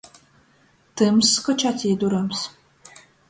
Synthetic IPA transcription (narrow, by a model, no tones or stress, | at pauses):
tʰɨmskɔt͡ʃʰatʰjɛduɾɐms